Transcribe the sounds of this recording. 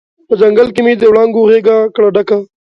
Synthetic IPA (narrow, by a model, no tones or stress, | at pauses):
pəd͡ʒɐŋɡəlkimid̪ewɽaːŋɡuɣeːɡakɽaɖɐka